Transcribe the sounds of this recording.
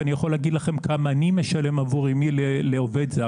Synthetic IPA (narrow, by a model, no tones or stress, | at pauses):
nijaχo̞leːɡid̪laχe̞mkʰamaːnimeʃale̞mavuʁimileleoved̪zea